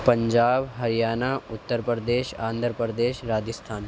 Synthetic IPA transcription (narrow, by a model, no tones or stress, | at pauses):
pɐɲd͡ʒaːbɦɐɾijaːnaːʊt̪ːəɾpɾəd̪eːʃãːnd̪ʱɾpɾəd̪eːʃɾaːd͡ʒɪst̪ʰaːn